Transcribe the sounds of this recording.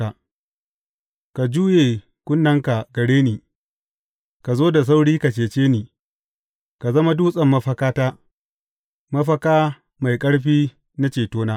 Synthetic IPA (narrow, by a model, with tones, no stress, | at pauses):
a˨ | ka˨d͡ʒuː˦jeː˨ | kʷʊ˦nːɐ˦ŋka˨ɡɐ˨ɽeː˦niː˨ | ka˨zoː˦da˨s̬a˦wɽiː˦ka˨t͡ʃeː˨t͡ʃeː˦niː˨ | ka˨zɐ˦ma˦duː˦sʼɐ˨mːɐ˦ɸɐ˦kaː˦taː˦ | mɐ˦ɸɐ˦kaː˦ | ma˨jkʼɐ˦ɽɸiː˦ | na˦t͡ʃeː˨toː˦naː˦